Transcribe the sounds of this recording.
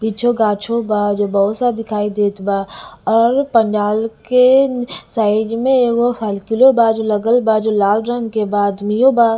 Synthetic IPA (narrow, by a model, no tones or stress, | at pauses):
piːt͡ʃʰoɡaːt͡ʃʰobad͡ʒobɐɦʊsad̪ɪkʰaːid̪eːt̪baɔːɾpə̃nd͡ʒaːlkesaːɪd͡ʒmẽeːɡosaːlkɪlobad͡ʒoləɡəlbad͡ʒolaːlɾə̃ŋɡkebaːd̪mijoba